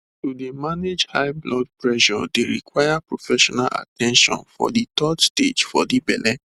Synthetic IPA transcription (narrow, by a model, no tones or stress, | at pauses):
tudemaned͡ʒhaɪblɔd̚pɹɛʃɔdeɾḭkwajapɹofɛʃɔnalʔa̰tɛ̃nʃɔ̰̃nfɔ̰ditɔdsted͡ʒfɔdibɛlɛ